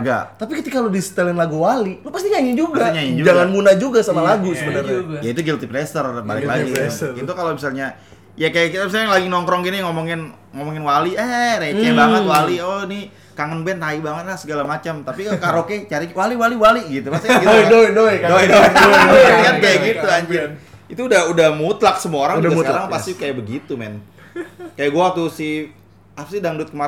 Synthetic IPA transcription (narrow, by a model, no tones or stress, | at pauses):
ɡa̰t̪apikət̪ikalodist̪ɛlɪnlaɡuwalinopast̪iɲaɲɪnd͡ʒuɡaɲaɲɪnd͡ʒud͡ʒaŋanmunad͡ʒuɡasamalaɡusəbənərɲajait̪uɡilt̪iplɛst̪ərba̰lɪklaɡɡiit̪ukalomisalɲa | jakajakit̪amis̬alɲalaɡinɔŋkɾɔŋɡiniŋɔmɔŋɪn | ŋomɔŋɪnwaliɛɾet͡ʃabaŋət̪walioni | kaŋənbɛnt̪aibaŋət̪̚lasəɡalamat͡ʃamt̪apikaɾoket͡ʃaɾiwaliwaliwaliɡit̪upast̪ikit̪adoidojdoidoaiandaɡɡit̪uaɲd͡ʒɪit̪uːdahudahmut̪laksəmuaoɾaŋd͡ʒɡaaɾaŋpast̪ikajabəɡit̪umɛ̰n | kajaɡuat̪usi | apasidaŋdut̪̚kəma